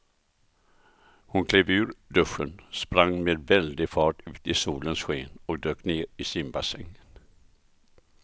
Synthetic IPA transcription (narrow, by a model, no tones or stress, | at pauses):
hʊnkʰleːvʉ̟ːɾɖ̪ɵʂːənspɾaŋːmeːd̪vɛld̪ɪfɑːʈʉ̟ːt̪ɪsuːlənsɧeːnɔk̚d̪øːkneːɾɪsɪnbasɛŋːn